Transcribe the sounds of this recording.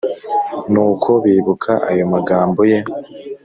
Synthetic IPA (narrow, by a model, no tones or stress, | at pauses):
nuːkʰo̞βiːβukʰaʔa̰jo̞maɡaːmbo̞je̞